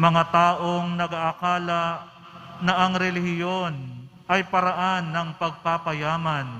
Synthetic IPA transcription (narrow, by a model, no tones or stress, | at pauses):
mɐŋat̪aːʔoŋnɐɡaʔːkaːla | nɐʔɐŋɾɛlɪhɪjo̞n | ɐjpɐɾaʔanːɐŋpɐɡ̚papɐjaːmɐn